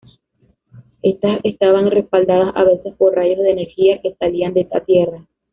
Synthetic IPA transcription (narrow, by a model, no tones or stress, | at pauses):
e̞st̪asest̪aβaŋre̞spald̪aðasa̰β̞e̞se̞spo̞rraʝo̞zðeːne̞ɾxiake̞saliand̪eest̪a̰t̪je̞ra